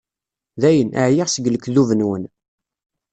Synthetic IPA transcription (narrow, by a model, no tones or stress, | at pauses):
ðæjənʔaʕjiʁsəɡləkːðuvənwən